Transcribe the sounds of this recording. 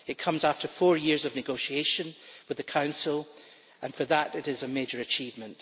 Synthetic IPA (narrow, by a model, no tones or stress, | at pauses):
ɨʔ̚kʰʌ̃mzaftʰə˞fɔɹjiɹzʌvnɨɡoʃieʃə̃nwɨðɨkʰãʊ̃nsl̩ˠ | ʔə̃nfə˞ðəʔɪʔɪzəmed͡ʒə˞ɨt͡ʃʰivmə̃nʔ